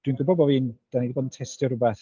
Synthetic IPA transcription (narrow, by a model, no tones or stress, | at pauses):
d̥winɡʊbɔbɔviːnd̥anidibɔːdn̩tʰɛstjərʊbɛθ